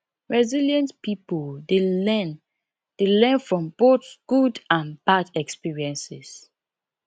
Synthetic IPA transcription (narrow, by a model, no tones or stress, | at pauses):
ɹɛziljə̃ntpipəldeɛn | d̥elɛ̃nfɹɔ̃mb̥oθɡ̥udãnb̥adɛkspiɹiɛ̃nsɪs